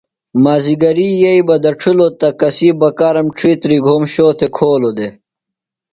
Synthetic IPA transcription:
maːziɡɐɾiːjɐibɐd̪ɐʈ͡ʂʰulot̪ɐkɐsiːbɐkaːɾɐmʈ͡ʂʰiːt̪ɾiɡʱoːmɕoːt̪ʰekʰoːlod̪e

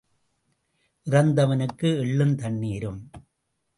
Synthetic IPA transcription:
ʔɪrɐnd̪ɐʋɐnɯkːɯɛɭːɯnt̪ɐɳːiːɾɯm

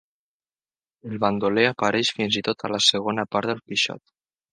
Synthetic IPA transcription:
əlˠβand̪oleapaɾɛʃfinzit̪ot̪ʰalasəɣ̞onapaɾt̪ðəlˠpiʃɔ̰t̪

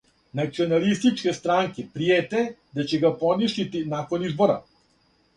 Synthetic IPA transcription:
nat̪siɔnalist̪it͡ʃkɛst̪ɾaŋkipɾiɛt̪ɛd̪at͡ʃɛɡapɔniʃlit̪inakɔnizbɔɾa̰

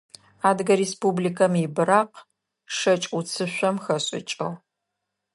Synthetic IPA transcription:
aːdɨɡɐɾeːspublikʰɐmibɨɾaːq | ʂɐt͡ʃʼut͡sʰɨɕʷɔmxɐɕʼɪ̰t͡ʃʼɐ̰ʁ

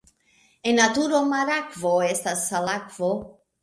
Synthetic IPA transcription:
enːatuɾo̞maɾakvoe̞stasːalakv̥o

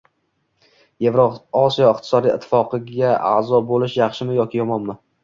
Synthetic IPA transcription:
jevɾoɒsijɒɪqt̪ʰɪ̥sɒd̪ijɪ̰t̪ʰːɪ̥fɒqʰɨɡaa̰zɒbolɪʃjɑχʃɪmɪjɒkʲʰɪjɒmɒnmɪ

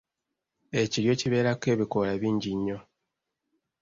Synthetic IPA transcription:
e̞ciɾjo̞ciβe̞ːɾake̞ːβikolaβiːɲɟiɲːo̞

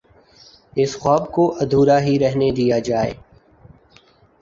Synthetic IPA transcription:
ɪsxɔːbkoʔɐd̪ʱuːɾaɦiɾɛɦned̪ijad͡ʒaːḛː

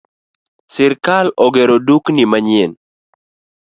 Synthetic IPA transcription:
sɪɾkalɔɡɛɾoduknɪmaɲen

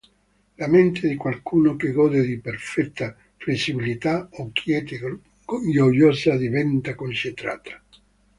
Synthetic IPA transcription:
lament̪ʰed̪ikwalkʰuːnokeɡɔːd̪ed̪iperfɛt̪ʰːa | flesːibilit̪aokjɛːt̪e | jojjɔːsad̪ivɛnt̪akont͡ʃent̪ɾa̰ːt̪ʰḁ

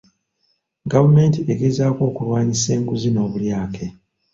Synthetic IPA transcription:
ɡavume̞ːntiʔe̞ɡezaːko̞ːkulwaːɲise̞ːŋɡuzino̞ːβuljaːkʰe̞

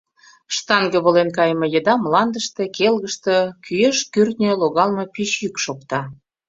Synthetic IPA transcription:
ʃt̪ɑŋɡə̆βəlenkɑjmɤ̆jə̆d̪ɑmlɑnd̪əʃt̪ĕkelɣəʃt̪ə̆kyjeʃkyrt̪nʲøloɣɑlmɤ̆pyt͡ɕjykʃokt̪ɑ

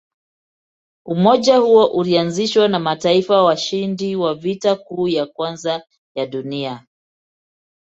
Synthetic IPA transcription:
umɔʄahuɔʔulianziʃwanamataifawaʃindiwavitakuːjakwanza | jaɗunia

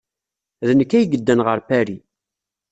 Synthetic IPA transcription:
ðənəkːæjɡəd̪ːænʁəɾpæɾi

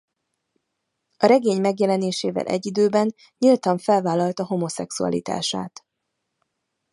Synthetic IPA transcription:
ɒɾɛɡeːɲmɛɡjɛlɛneːʃeːvɛ̰lʔɛ̰ɟːid̪øːbɛn | ɲilt̪ɒɱfɛlvaːlɒlt̪ɒɦo̞mo̞sɛksuɒ̰lḭt̪a̰ːʃa̰ːt̪

